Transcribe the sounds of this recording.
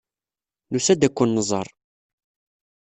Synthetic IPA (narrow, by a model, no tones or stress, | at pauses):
nusæd̪ækʷːənːəzˤə̰ɾˤ